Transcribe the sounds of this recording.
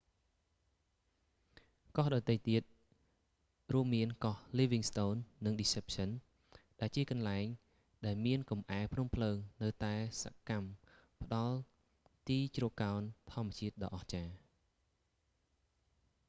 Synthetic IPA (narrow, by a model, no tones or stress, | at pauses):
kɑhɗɑt̪ːəjt̪iət̪̚ | ruəmːiənkɑhliːʋiŋst̪oːnːɨŋɗiːsep̚sən | ɗaɛlt͡ɕiəkɑnlaɛŋ | ɗaɛlmiənkɑmʔaɛpʰnumpʰləːŋnɨwt̪aɛsa̰kampə̆ɗɑl | t̪iːt͡ɕrokːaɔnt̪ʰŏəmːɛət͡ɕiət̪̚ɗɑ̰ːʔɑht͡ɕaː